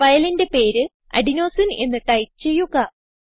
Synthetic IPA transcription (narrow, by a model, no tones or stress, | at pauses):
ʋɐjɐlinde̞pe̞ːɾɨ | ɐ̰ɖino̞ːsine̞̰nːɨʈɐjp̚t͡ɕe̞jːuɣɐ